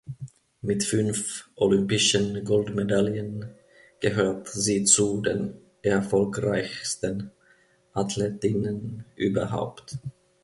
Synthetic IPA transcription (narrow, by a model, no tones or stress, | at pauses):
mɪtfʏnfʔolʏmpɪʃənɡɔldmedaljən | ɡ̥əɦøːɐtziːt͡sudeːn | ʔɛɐfɔlkʁaɪçstən | ʔatʰleːtɪnənʔyːbɐɦa̰ʊpt